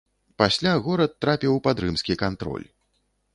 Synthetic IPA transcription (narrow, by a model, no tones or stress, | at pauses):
pasʲlʲaɣɔɾɐt̪ːɾapʲiwpad̪ɾɨmskʲikant̪ɾɔ̰lʲ